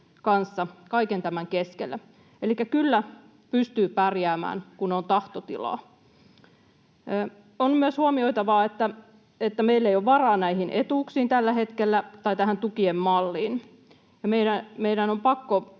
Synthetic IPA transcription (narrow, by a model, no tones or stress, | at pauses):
kɑnsːɑkɑikent̪æmæŋkeskelːæ | elikːækylːæ | pyst̪yːpærjæːmæ̰ːnkunont̪ɑht̪ot̪ḭlɑ̰ː | onmyøshuomioit̪ɑʋɑːet̪ːæ | et̪ːæmeilːeijoʋʋɑrɑːnæihinʔet̪uːksiːnt̪ælːæɦe̞t̪kelːæt̪ɑjt̪æhænt̪ukiemmɑlːiːn | jɑmeiɾæmeidænompɑkːo